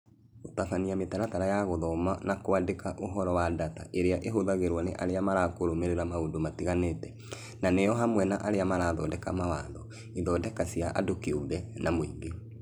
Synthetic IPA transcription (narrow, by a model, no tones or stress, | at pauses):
otafaniametaɾataɾajaɣoðɔmanakwadekaʔoɦɔɾɔwadata̰ʔeɾeaʔeɦoðaɣeɾwanḛʔaɾeamaɾakoɾomeɾeɾamaodomatiɣanetɛ̥ | nanejɔɦamwɛnaʔaɾeamaɾaːðɔdɛkamawaðɔ | iðɔdɛkasiaʔa̰dokeoðɛnamwiːŋɡe